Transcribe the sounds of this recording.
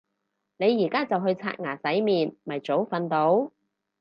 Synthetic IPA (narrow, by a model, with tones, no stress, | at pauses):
ne˨˧jːiː˨˩kaː˥t͡sɐ˨wɦɵ˧ɥt͡sʰa̰ː˧t̚ŋaː˨˩sɐ˨˥jmiː˨nmɐ˨˩jt͡so˨˥wfɐ˨˧nt̪o˨˥w